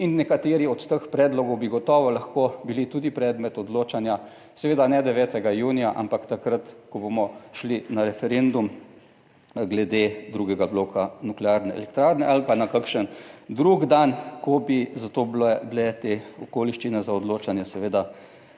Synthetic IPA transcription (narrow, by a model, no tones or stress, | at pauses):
inːɛkat̪eːɾiɔt̪ːəxpɾɛːd̪lɔɡɔwbiɡɔt̪ɔːʋɔlaxkobilit̪uːd̪ipɾɛːd̪mɛt̪ɔd̪loːt͡ʃanja | sɛʋeːd̪anɛd̪ɛʋɛːt̪ɛɡajuːnijaʔa̰mpakt̪akɾat̪kɔbomɔʃlinaɾɛfɛɾend̪um | ɡlɛd̪ed̪ɾuːɡɛɡablokʰanuklɛaːɾnɛɛ̰lɛkt̪ɾaːɾnɛʔalpanakakʃənd̪ɾuɡd̪ankɔbizat̪oːblɛblɛt̪eɔkoːliʃt͡ʃinɛzaɔd̪loːt͡ʃanjɛsɛʋeːd̪a